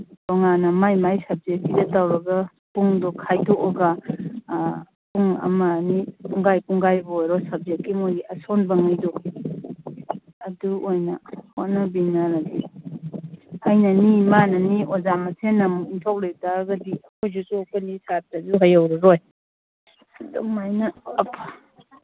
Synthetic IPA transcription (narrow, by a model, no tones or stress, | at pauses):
ɔŋanɐmajmajsɐb̚zek̚ːidɐtawɾɐɡɐ | puŋdɔkʰajdɔʔɔɡa | puŋɐ̰manipuŋɡajkuŋɡajbjɾɔsɐb̚zekkːimojiɐsonbɐŋɯjdɔi | ɐduʔojnɐhonɐbinaɾaɡi | ajnanimanɐniʔɔzamɐsʰenːamuintʰawletaɡɐdiɐkʰojzutokanisap̚tazuɦajawɾaɾoj | dɔŋmajnɐːpʰa